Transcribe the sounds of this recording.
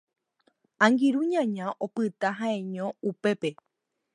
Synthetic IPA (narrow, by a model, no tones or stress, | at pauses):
ãŋɡiɾuɲãɲãʔopɨt̪aɦãẽɲõ̞upe̞pe̞